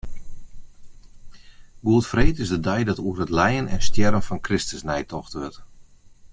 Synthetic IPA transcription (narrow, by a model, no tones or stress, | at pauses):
ɡuətfreːtɪsdədɛjdɔtuərətlɛjənɛnstjɛɾənfɔnkrɪstəsnɛjtɔxtʋʏrt